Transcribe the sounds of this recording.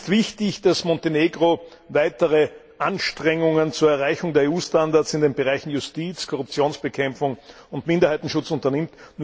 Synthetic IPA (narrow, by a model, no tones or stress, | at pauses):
tv̥ɪçtɪçd̥asmɔnteneːɡʁo | vaɪtəʁə | ʔanʃtʁ̥ɛŋʊŋənt͡suːɐɛɐʁaɪçʊŋdeːɐeːuːstandaɐt͡sɪndeːnbəʁaɪçn̩jʊstiːt͡skʰɔʁ̞ʊp̚t͡sjoːnsb̥əkʰɛmfʊŋ | ʊntmɪndɐhaɪtn̩ʃʊt͡sʊntɐnɪmtnu